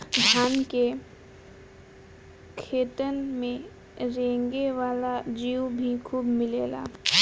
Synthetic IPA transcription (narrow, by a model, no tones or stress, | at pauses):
dʱaːnke | kʰeːt̪ənmẽ | ɾẽːŋɡeʋaːlad͡ʒiːwbʱikʰuːbmɪleːla̰ː